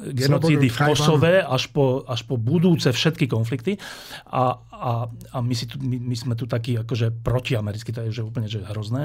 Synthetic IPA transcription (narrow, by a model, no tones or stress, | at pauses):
ɡɛnɔt͡siːd̪ifkɔssɔʋɛaʃpɔaʃpɔbud̪uːt͡sɛfʃɛt̪kikɔnflikt̪ia | aamisit̪umimismɛt̪ut̪akiːakɔʒɛpɾɔciamɛɾit͡skit̪ɔjɛuʒɛuːpl̩ɲɛʒɛɦɾɔznɛː